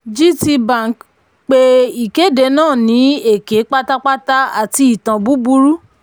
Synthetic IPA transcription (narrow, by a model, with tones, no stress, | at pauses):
d͡ʒi˦ti˧bã˦˨k | k͡pe˦i˨ke˨˦de˨˦nãː˦˨nĩ˨˦e˦˨ke˨˦k͡pa˦ta˦k͡pa˦ta˦a˨ti˧i˨tã˨bu˨˦bu˦ɾu˦